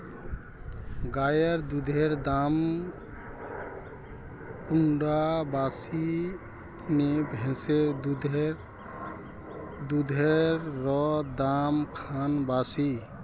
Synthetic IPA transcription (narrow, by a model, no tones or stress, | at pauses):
ɡajəɾd̪ud̪ʱeɾd̪am | kuɳɖabasi | nebʱɛ̃seɾd̪ud̪ɾ | d̪ud̪ʱeɾːɔd̪amkʰanbasi